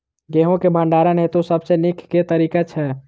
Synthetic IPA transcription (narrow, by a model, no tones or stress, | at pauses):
ɡeɦõkebʱə̃ɳɖaɾənɦet̪osəbsenikʰket̪əɾikat͡ʃʰɛ